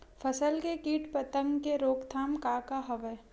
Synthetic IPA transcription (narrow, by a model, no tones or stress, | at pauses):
fʰəsəlkekiːʈpət̪əmkeɾoːkt̪ʰaːmkaːkaɦɐʋə